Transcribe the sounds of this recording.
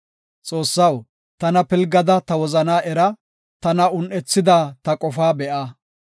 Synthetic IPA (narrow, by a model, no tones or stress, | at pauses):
t͡sʼo̞ːsːɐw | t̪ɐnɐpɪlɡɐd̪ɐt̪ɐwɔzɐnaːʔɛɾɐ | t̪ɐnɐʊnʔɛt͡sːɪd̪aːt̪ɐkʼɔfaːbɛʔa